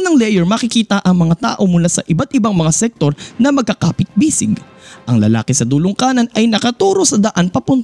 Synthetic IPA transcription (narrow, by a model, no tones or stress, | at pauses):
nɐŋlɛjɛɹmɐkɪkiːt̪ɐʔɐŋmɐŋat̪a̰ːʔo̞mʊlasɐ̰ʔɪbat̪̚ʔɪbaŋmɐŋasɛk̚t̪o̞ɾnɐmɐɡ̚kɐkaːpɪt̪̚biːsɪɡ | ʔɐŋlɐ̰la̰ːkɪsɐd̪ulʊŋkaːnɐnɐjnɐkɐt̪uːɾo̞sɐd̪ɐʔanpɐpʊnt̪